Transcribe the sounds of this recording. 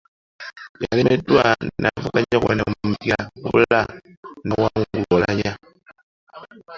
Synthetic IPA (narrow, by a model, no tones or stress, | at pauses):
jalimedwannavukaɲakwenammukiaṵla | nawaŋuŋɡuolaja